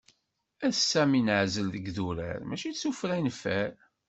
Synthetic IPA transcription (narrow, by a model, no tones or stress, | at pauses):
æsæminʕzəlðəɡðuɾæ̰ɾmæʃisufɾænfæɾ